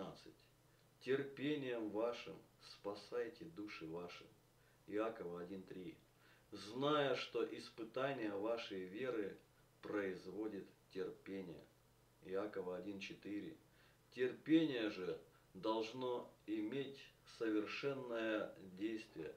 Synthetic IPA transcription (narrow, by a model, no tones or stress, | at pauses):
at̪sɨtʲ | tʲɪrpʲenʲɪjəmvaʂɨmspɐsajtʲɪd̪uʂɨvaʂɨ̰ | ɪakəvəɐdʲint̪ɾʲi | znajəʂt̪o̞ʔɪspɨt̪anʲɪjəvaʂəjvʲe̞ɾɨ | pɾəɪzvo̞dʲɪt̪tʲːɪrpʲenʲɪjə̰ | ɪakəvəɐdʲint͡ɕɪt̪ɨɾʲɪ̰ | tʲɪrpʲenʲɪjəʐɨ | d̪ɐlˠʐno̞ɪmʲetʲsəvʲɪrʂɛnːəjədʲejst̪vʲɪjə̰